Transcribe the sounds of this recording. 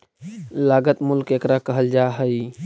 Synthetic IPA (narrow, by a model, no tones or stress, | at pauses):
laɡət̪mulkekɾakəɦəld͡ʒaɦəj